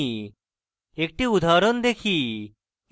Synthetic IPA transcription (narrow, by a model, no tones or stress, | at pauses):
ek̚ʈiud̪ʱaɾɔnd̪ekʰi